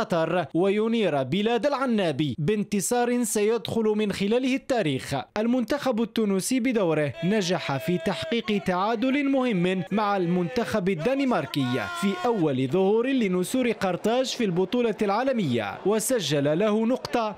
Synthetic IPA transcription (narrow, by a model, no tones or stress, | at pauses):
ɑt̪ˤɑɾˤwajʊniːɾˤabɪlaːd̪alʕanːaːbiːbɪnt̪ɨsˤɑːɾˤɪsajad̪xʊlʊmɪnxɪlaːlɪhɪt̪ːaːɾiːxʔalmʊnt̪axabat̪ːuːnʊsiːbɪd̪awɾɪhnaʒaħafiːt̪aħqiːqt̪aʕaːd̪ʊlɪmʊhɪmːmaʕalmʊnt̪axabad̪ːaːnimɑɾˤkɪjːa̰fiːʔawːalɪðˤʊhuːɾɪlɪnʊsuːɾɪqɑɾˤt̪ɑːʃfilbʊt̪ˤuːlɑlʕaːlamɪjːa̰wasaʒːalalahʊnʊqt̪ˤɑ